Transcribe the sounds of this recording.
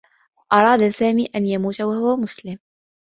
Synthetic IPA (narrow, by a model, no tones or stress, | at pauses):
ʔɑɾˤɑːd̪asaːmiːʔanjamuːt̪awahʊwamʊslɪm